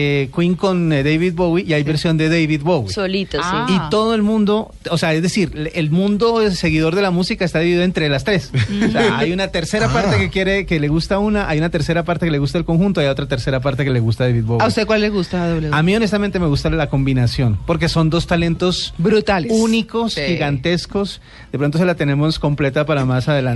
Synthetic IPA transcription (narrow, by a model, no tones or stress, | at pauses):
kwiŋko̞nd̪ejβiðbowiiajβe̞ɾsjo̞nd̪e̞ðejβiðbowisolit̪osit̪o̞ðo̞e̞lmũnd̪o̞ | ose̞aezðesiɾelmũnd̪o̞se̞ɣiðo̞ɾðe̞lamusikaest̪aðiβiiðoent̪ɾe̞last̪ɾe̞sseaajunat̪eɾseɾapaɾt̪ekekje̞ɾe̞kele̞ɣust̪aunaʔajunat̪e̞ɾse̞ɾapaɾt̪e̞kele̞ɣust̪aelko̞ŋxũnt̪o̞ajo̞t̪ɾat̪e̞ɾse̞ɾapaɾt̪e̞keleɣust̪aðeβid̪̚βoaust̪ekwalːeɣust̪aðoeamio̞nes̬t̪amẽnt̪e̞me̞ɣust̪alelako̞mbinasjo̞npo̞ɾk̬e̞so̞nd̪o̞st̪ale̞nt̪o̞sbɾut̪aluuniko̞sxiɣant̪e̞sko̞s | d̪e̞pɾo̞nt̪os̬e̞lat̪e̞ne̞mo̞sko̞mple̞t̪apaɾamasaðelan